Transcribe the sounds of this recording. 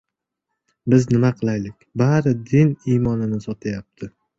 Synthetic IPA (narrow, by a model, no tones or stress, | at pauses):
bɪznɪmaqʰɨlˠajlɪkʲbaɾɪd̪ɪnijmɒnɪnɪsɒt̪ʰajap̚t̪ʰɪ